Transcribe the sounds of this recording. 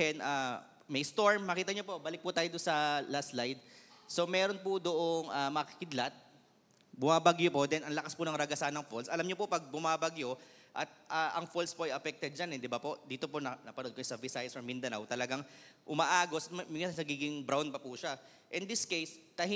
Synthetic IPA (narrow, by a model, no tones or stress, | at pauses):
ɛna | mɛjst̪o̞ɹmːɐkiːt̪ɐɲopo̞baːlɪk̚pʊt̪aːjod̪ʊnsɐlaslajd̪̚so̞mɛːɾonpʊd̪ʊʔoŋʔaːmɐɐkɪ̥kɪd̪lat̪̚ | bʊmaːbɐɡɲopo̞d̪ɛnʔɐŋlɐkaspʊnɐŋɾɐɡɐsanɐŋfolsʔɐlamɲopopɐɡ̚bʊmaːbɐɡjo̞ʔɐt̪̚ʔaːʔɐŋfolspoʔɐjɐfɛk̚t̪ɛd̪̚d͡ʒanɛd̪ɪbapo̞ʔd̪iːt̪oponɐnɐpɐnonkɐjsɐvɪsajsɐɹmɪnd̪ɐnawt̪ɐlɐɡaŋʔʊmaʔaːɡosɐt̪mmɪŋɪanɐɡiːɡɪŋbɾawn̚pɐpuʃa | ʔɪnd̪ɪskejst̪ɐɦ